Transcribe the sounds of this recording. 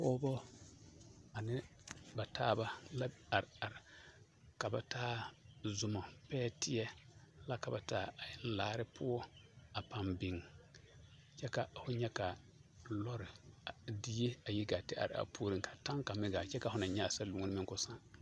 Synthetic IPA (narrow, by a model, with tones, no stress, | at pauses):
pɔː˦bɔ˦ | a˨nɪ˦ba˨tʰaː˦˨ba˦la˦a˨ɾa˨ɾɪ˨ | ka˨ba˨taː˦zʊ˨ma˨pɛː˦tɪ˦jɛ˦la˦ka˨ba˨taː˦˨a˨jɪ˦n˦laː˦ɾɪ˦pʰʊ˦ɔ˦a˨pa˨mbɪ˨ŋ | t͡ʃɛ˦ka˨fʊ˦ɲɛ˦ka˨ | lɔ˦ɾɪ˨di˦je˦a˨ji˦ɡa˨tɪ˦a̰˨ɾɪ̰˨a̰˨pʰu˦ɾi˦ŋka˨tã˦ŋka˨mɪ˦ɡa˨t͡ʃɛ˦ka˨hʊ˦na˨ɲɛ˦a˨sa˦lu˨ŋ˦nɪ˦mɪ˦ŋkʊ˦sã˦ŋ